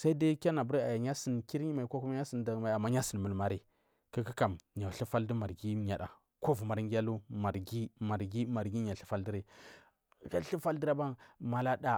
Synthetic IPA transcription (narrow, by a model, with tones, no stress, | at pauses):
sa˦i˦da˦kʲa˦na˨bu˦ɾi˦a˨ja˨ɲa˦si˨nki˦ɾi˦ma˨i˨ko˦ku˦ma˦ɲa˦si˨nda˨ma˨a˨mːa˦ɲa˦si˨n˨mu˨lma˦ɾi˦˨ | ki˦ki˦ka˨mɲa˨ɬi˦fa˦ldi˦ma˨ɾɡi˦ɲa˨ɗa̰˨ | ko˦vu˨ma˨ɾŋɡʲa˦lu˦ma˨ɾɡi˦ma˨ɾɡi˦ma˨ɾɡi˦ɲa˨ɬi˦fa˦ldi˦ɾi˨ | ka˦ɬi˦fa˦ldi˦ɾa˦ba˦ŋma˨la˦da˦